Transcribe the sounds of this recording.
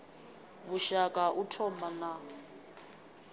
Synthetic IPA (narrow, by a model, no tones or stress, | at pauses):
βuʃakʼaʔutʰɔmana